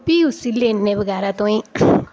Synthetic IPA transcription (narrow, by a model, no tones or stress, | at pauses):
piusilːenːebəɡaːɾat̪õĩ